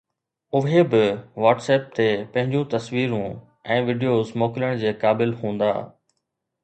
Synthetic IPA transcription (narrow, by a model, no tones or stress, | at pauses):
ʊɦebɪʋaːʈseːp̚t̪epɐ̃ɦɪ̃ɲd͡ʑũt̪ɐsʋiːɾũ | ɛ̃ːʋiːɖijoːzmoːkɪləɽ̃d͡ʑeːkaːbɪlɦũːnd̪a̰ː